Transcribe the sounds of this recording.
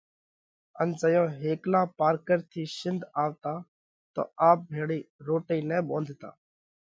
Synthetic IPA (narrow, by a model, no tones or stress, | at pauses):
ənd͡ʒəjõːɦeːklãːpaːɾkəɾt̪ʰiːsɪnd̪ʱaːʋt̪aː | t̪o̰ːaːp̚bʱeːɽiːɾoːʈəiːnɛ̃ːbõːnd̪ʱt̪a̰ː